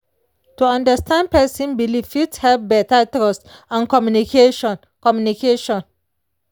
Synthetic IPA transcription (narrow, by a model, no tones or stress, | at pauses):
tuɔ̃ndəstãnd̚pɛsĩnbilifithɛvbɛtatɹɔstãnkɔmjunikʰeʃɔ̃n | kɔmjunikeʃɔ̃n